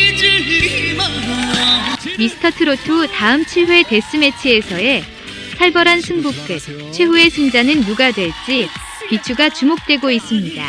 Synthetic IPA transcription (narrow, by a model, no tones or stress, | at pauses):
misʰɯ̥tʰʌtʰɯɾotʰotaɯmt͡ɕʰiɦwe̞te̞s͈ɯme̞t͡ɕʰie̞sʰʌe̞ | tʰaɭbʌɾansʰɯŋbukk͈ɯt̚ | t͡ɕʰwe̞ɦue̞sʰɯŋd͡ʑanɯnːuɡadwe̞ɭt͡ɕ͈i | kit͡ɕʰuɡat͡ɕumok̚t͈we̞ɡois͈ɯmɲida̰